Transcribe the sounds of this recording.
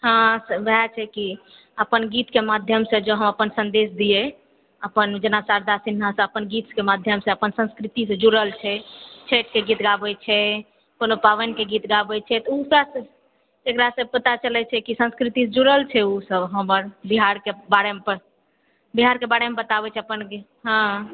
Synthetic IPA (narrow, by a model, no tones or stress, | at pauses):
ɦãsəbat͡ʃʰɛki | əpənɡit̪kemad̪ʱjəmsẽd͡ʒoɦəməpənsənd̪esd̪ije | əpənd͡ʒənasaɾd̪asinɦãsə̃əpənɡit̪kemad̪ʱjəmsẽəpənsə̃nskɾit̪isẽd͡ʒuɾəlt͡ʃʰɛt͡ʃʰeʈkeɡit̪ɡabɛt͡ʃʰɛ | kolopawenkeɡit̪ɡabɛt͡ʃʰɛt̪ɔufɾas | t̪ekɾasəpət̪at͡ʃəlɛt͡ʃʰɛkisə̃nskɾit̪ised͡ʒuɾəlt͡ʃʰɛusəbɦəməɾbiɦaɾkebaɽempəɾ | biɦaɾkebaɽemebət̪abɛt͡ʃʰɛəpənke | ɦə̃